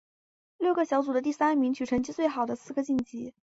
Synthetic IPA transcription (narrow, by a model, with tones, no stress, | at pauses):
ljo˥˩ʊɡə˧˩ɕjɑ˧˥ʊt͡su˨˩d̪ə˦t̪̬i˥˩sa˥nmi˧˥ŋt͡ɕʰy˨˩ʈ͡ʂʰɤ˧˥ŋt͡ɕi˥t͡swe˥˩ɪxɑ˨˩ʊd̪ə˦sɹ̩˥˩ɡə˧t͡ɕi˥˩nt͡ɕi˧˥